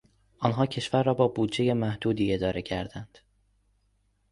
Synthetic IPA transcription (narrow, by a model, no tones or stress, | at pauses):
ʔɒːnɦɒːcʰe̞ʃvæɾːɒːbɒːbuːd̪d͡ʒe̞je̞mæhd̪uːd̪iːe̞d̪ɒːɾe̞cʰæɾd̪ænd̪̥